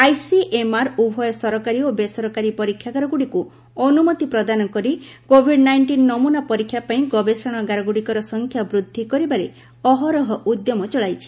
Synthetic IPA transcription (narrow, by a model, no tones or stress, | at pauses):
ajsiʔemaɾubʱɔjɔsɔɾɔkaɾiobesɔɾɔkaɾipɔɾikʰjaɡaɾɔɡuɽiku | ɔnumɔt̪ipɾɔd̪anɔkɔɾikobʱiɖnajɳʈinːɔmunapɔɾikʰːjapaĩɡɔbesɔɽ̃ɔɡaɾɔɡuɽikɔɾɔsɔŋkʰjabɾud̪ʱːikɔɾibaɾe | ɔɦɔɾɔɦɔʔud̪jɔmɔt͡ʃɔɭajt͡ʃʰi̥